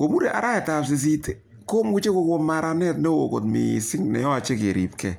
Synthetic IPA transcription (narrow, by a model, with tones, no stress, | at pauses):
ko˨mu˦ɾe˨ʔa̰˨ɾa˦ɛ˨ta˨ps̬i˨s̬i˦te˨ | ko˦mu˦t͡ʃe˦ko˦ko˦ma˨ɾa˦nɛ˦tne˦wo̰˨ko̰˨tmḭ˨si˦ŋnɛ̰˨jɔ˦a˨t͡ʃe˦ke˨ɾḭ˨pkɛ˨